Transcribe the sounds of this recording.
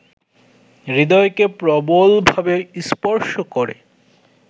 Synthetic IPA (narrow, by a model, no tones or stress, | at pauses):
ɾid̪ɔekepɾɔbolbʱabeɾispɔɾʃokoɾḛ